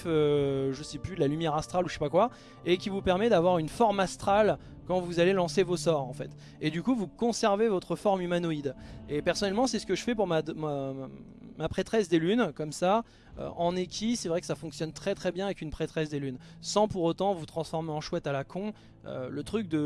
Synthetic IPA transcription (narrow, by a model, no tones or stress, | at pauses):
øʒəsɛpyd̪lalymjɛʁast̪χaluʃe̥pakwa | ekʲivupɛʁmɛd̪avwaʁynfɔʁmast̪χal | kɑ̃vuzalelɑ̃sevosɔʁɑ̃fɛt̪ | ed̪ykuvukɔ̃sɛʁvevɔt̪χəfɔʁmymanoid̪epɛʁsɔnɛlmɑ̃sɛsə̥kəʒəfɛpuʁmad̪ma | mapχet̪χɛsd̪elynkɔmsa | ø̰ʔɑ̃nekʲisɛvʁɛkəsafɔ̃ŋksjɔnt̪χɛt̪χɛbjɛ̃avɛkynpχet̪χɛsd̪elynsɑ̃puʁot̪ɑ̃vut̪χɑ̃sfɔʁmeɑ̃ʃwɛt̪alakʰɔ̃ | ø̰lət̪χyk̚d̪ə